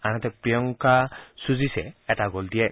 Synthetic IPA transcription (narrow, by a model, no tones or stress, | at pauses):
anat̪ɛpɹiɔŋkasuzisɛ̰ːtaɡoldiɛ